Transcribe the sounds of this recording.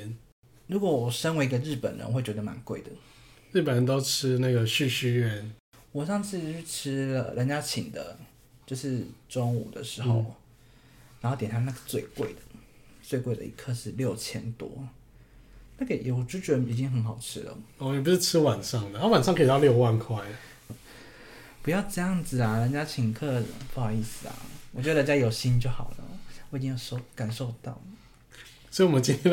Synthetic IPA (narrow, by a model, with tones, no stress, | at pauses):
n | ɻu˧˥kwɔ˨˩wɔ˨˩ʂə˥nwe˧˥i˧ɡə˧ɻɻ̩˥˩pə̰˨˩nɻə̰˧˦˧we˥˩ɪt͡ɕɥɛ˧d̪ə˧ma̰˧˥nkwe˥˩ɪd̪ə˩ | ɻ̩˥˩pə˨˩nɻə˧˦nt̪o˦ʊʈ͡ʂ̩ʰ˥na˥˩ɡə˩ɕy˥˧˩ɕy˥˧ɥɛ˥˨n | wɔ˨˩ʂɑ˥˧ŋʂɻ̩˥˧y˥ʈ͡ʂ̩ʰ˥lə̰˨ɻə˦˥nt͡ɕja˦˥t͡ɕʰi˨˩ŋd̪ə̰˦ | t͡ɕjo˥˧ʊʂɻ̩˥˩ʈ͡ʂɔ˥ŋṵ˨˩d̪ə̰˨ʂɻ̩˧˥˧xo̰˥˩ʊ | na˨˧˥xo˥˩t̪jɛ˨ntʰa˥na˥˩ɡə˨˧t͡swe˥˧ɪkwe˥˩ɪd̪ə̥˩ | t͡swe˥˧ɪkwe˥˩ɪd̪ə̰˨ʔḭ˧˥kʰɤ˥˧ʂɻ̩˥˧ljo˥˩ʊt͡ɕʰjɛ˥nt̪wɔ̰˦ | na˥˩ɡə˨˩jo˨˩ʊ˨˩ʈ͡ʂy˥t͡ɕɥɛ˧i˨˩t͡ɕi˦˥ŋxə˧˥nxɑ˨˩ʊʈ͡ʂʰɻ̩˥lə̰˨ɔ˥˨ni˨˩p̬u˧˥ʂɻ̩˥˩ʈ͡ʂʰɻ̩˥wa˨˩nʂɑ˥˩ŋd̪ə˨a˥wa˨˩nʂɑ˥˧ŋkʰi˨˧ɑ˥˧ljo˥˧ʊwa˥˧nkʰwa˥˩ɪ | pu˧˥jɑ˥˧ʊʈ͡ʂɤ˥˧jɑ˥˩ŋd͡zɹ̩˨˩a˩ɻə˧˦nt͡ɕja˥t͡ɕʰi˨˩ŋkʰɤ˥˩˨fɑ˥˧i˥˩sɹ̩˨˩a̰˨˩wɔ˨˩t͡ɕwd̪ə˧˥ja˦˥jo˨˩ʊɕi˦˥nt͡ɕjo˥˩ʊxɑ˨˩ʊlə̰˦˩wɔ˧˦˥i˥ŋjɑ˥˧ʂo˥˧ʊka˨˩nʂo˥˧ʊt̪ɑ˥˩ʊ | sɔ˧˥i˨wɔ˨˩mə˦nt͡ɕi˥nʰɛ˥